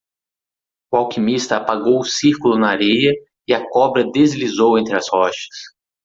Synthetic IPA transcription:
ʊawkimist̪ɐːpaɡowʊsiɾkʊlʊnɐaɾejɐ | ɪɐkɔbɾɐd̪ezlizowẽnt̪ɾɪɐshɔʃɐ̥s

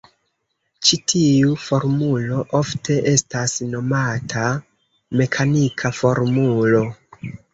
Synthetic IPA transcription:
t͡ʃitʰiufo̞ɾmulo̞ʔo̞ftʰe̞ʔe̞stasno̞matʰa | me̞kʰanikʰafo̞ɾmulo̞

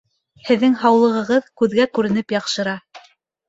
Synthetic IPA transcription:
hɘ̆ðːɘŋɦɑwlˠɤ̆ʁɤ̆ʁɤðkʉðɡækʉɾɘ̆nɘpjɑqʃɤ̆ɾɑ

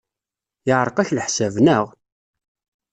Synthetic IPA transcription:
ɪʕɾˤəqæçləħsævnəʁ

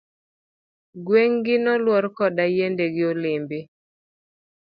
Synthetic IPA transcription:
ɡweŋɡɪnɔlwɔɾkɔdajendeɡɪolɪmbɪ

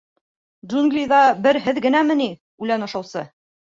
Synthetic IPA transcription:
d͡ʒuŋɡlʲijðɑbɘɾɦɘðɡɘ̆næmɘ̆ni | ʉlænŏʃɤ̆wsɤ

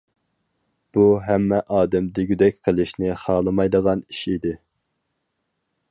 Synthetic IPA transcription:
b̥uɦæmːɛʔɑːd̪ɛmd̪ɪɡʲyd̪ɛk̚ʲqʰəlˠɪʃnɪχɑːlˠɨmɑjd̪əʁɑniʃid̪ɪ

